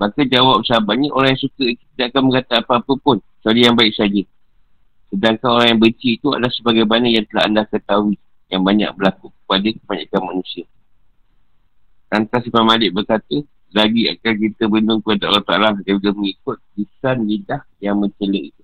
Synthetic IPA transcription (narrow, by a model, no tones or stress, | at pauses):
makad͡ʒawap̚sabaʔɲiʔoɾaŋjaŋsukəit̪ut̪idaʔakanməŋat̪aːpaːpəpʊn | salijaŋbaɪk̚sad͡ʒə | sədaŋkanoɾaŋjaŋbəɲt͡ʃiːt̪ua̰dlahsəbaɡajmanəjaŋt̪əla̰andakət̪awi | jaŋbaɲa̰k̚bəlakukə̥padakəbaɲa̰kanmanũsia | kant̪asipamalɪʔ̚bərkat̪ə | laɡia̰kank̬it̪əbəndʊŋkəpadaa̰laht̪a̰laɡapaɡəməŋikʊt̪̚lisanlidahjaŋmə̃ɲt͡ʃələʔit̪u